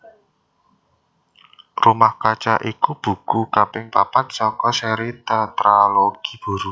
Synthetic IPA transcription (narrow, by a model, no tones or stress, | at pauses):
rumahkat͡ʃaʔikub̥ṳkukapɪŋpapat̪̚sɔkɔsɛɾit̪at̪ɾaloɡ̥i̤̥b̥ṳɾu